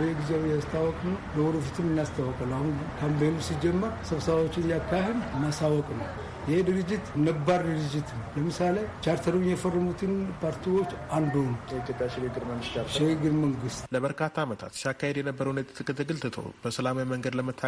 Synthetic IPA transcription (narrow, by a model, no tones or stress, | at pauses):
jeɡizewjast̪ʰawɔkʼnəwləwɔɾɨfit̪ʰɨmɨnːast̪ʰawːɔkʼalahunkʰampejnusid͡ʒɛmːəɾsəβsəβawot͡ʃːɪnjakːahed̪ɨnːasawɔkʼnəw | jɪhed̪ɨɾɨd͡ʒːɪt̪nːəbːaɾd̪ɨɾɨd͡ʒɪt̪ʰɨnəwləmɨsalet͡ʃaɾt̪ʰəɾujɛfərːəmut̪ʰɨnpʰaɾt̪ʰiwot͡ʃːand̪onəwjɛit̪ʰjopʼjaʃiɾeɡɨɾməŋɡɨst͡ʃaʃiɾeɡɨɾməŋɡɨst̪ləbəɾkʰat̪ʰːaːmət̪ʰa̰t̪siakʰːahed̪jɛnəbːəɾəwnət̪ʼt̪ʰːɨkʼːət̪ʰəɡɨlt̪ɨt̪ʰo̰wbəsəlamawiməŋɡəd̪ləmət̪ʰːa